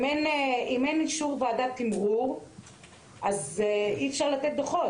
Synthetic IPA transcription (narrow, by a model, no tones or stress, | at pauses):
meneimeniʃuʁvead̪at̪imʁu | ʔaziɛfʃaʁlat̪et̪̚d̪oχot